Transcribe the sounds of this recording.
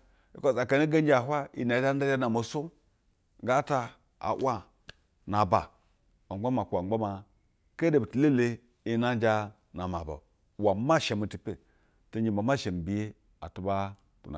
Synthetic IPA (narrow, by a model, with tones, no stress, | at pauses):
i˦ko˨za˨ka˨ni˦ɡa˦n˦d͡ʒa˨ɦʷa˦i˨na˨˦d͡ʒa˦n˦a˦d͡ʒa˦na˨mo˨su˦ | ɡa˦ta˦ | a̰˨wa˦ | na˨ba˨ | o˨˦ɡ͡ba˦ma˨ku˨a˨˦a˦ma˨ | ke˦de˨bi˨ti˨le˦le˦ | i˦na˦d͡ʒa˦ | na˨ma˨ba̰˨ | wa˨˦ma˦˨ʃe˨mu˨ti˨pe˨ | te˦d͡ʒi˨ma˨ma˦˨ʃe˨m̩˨bi˨je˦ | a̰˨tu˨˦ba˦ | tṵ˨na̰˨